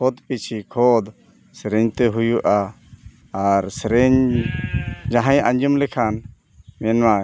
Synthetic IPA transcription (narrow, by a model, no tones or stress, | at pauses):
ɔd̪pit͡ʃʰikʰɔd̪ | sɾɛɲt̪ɛɦujuʔaː | ɾsɾɛɲ | d͡ʒãɦãjãɲd͡ʒumlɛkʰan | mɛnwa